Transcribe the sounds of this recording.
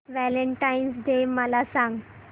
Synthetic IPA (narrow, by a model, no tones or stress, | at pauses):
ʋæləɳʈainsɖ̪eməlasãŋɡ